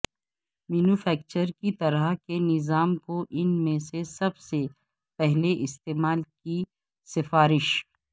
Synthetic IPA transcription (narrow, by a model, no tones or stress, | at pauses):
miːnuːfɛːk̚t͡ʃəɾkit̪ɐɾakenɪzaːmkoʔɪnmẽsesɐbse | pɛɦleʔɪst̪eːmaːlki | sɪfaːɾɪʃ